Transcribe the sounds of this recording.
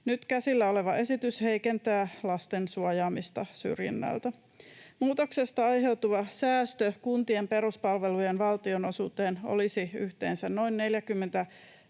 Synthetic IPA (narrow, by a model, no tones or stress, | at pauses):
nyt̪kæsilːæo̞le̞ʋɑʔe̞sit̪yshe̞jkent̪æːlɑst̪ensuojɑːmist̪ɑsy̰rjḭnːæ̰lt̪æ | muːt̪o̞kse̞st̪ɑɑjɦe̞wt̪uʋɑsæːst̪økunt̪iempe̞ɾuspɑlʋe̞lujenʋɑlt̪io̞nosuːt̪eːno̰lisiyht̪e̞̰ːnsænno̞inːe̞ljækymːent̪æ